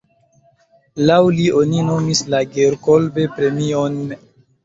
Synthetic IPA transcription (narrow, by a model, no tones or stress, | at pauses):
lawlio̞nino̞mislaɡeɾko̞lbepɾe̞mion